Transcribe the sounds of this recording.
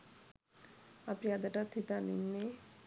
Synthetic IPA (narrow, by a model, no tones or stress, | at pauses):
apiad̪aʈat̪ʰːit̪anḭnːe